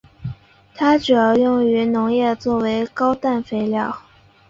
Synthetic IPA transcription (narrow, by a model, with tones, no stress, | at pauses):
t̪ʰa˥ʈ͡ʂɻu˨˩jɑ˥˧ʊjʊ˥˩ŋy˧˥nʊ˧˥ŋjɛ˥˧t͡swɔ˥˩we˧˥ɪkɑ˥ʊt̪a˥˩nfe˥ɪljɑ˥˩ʊ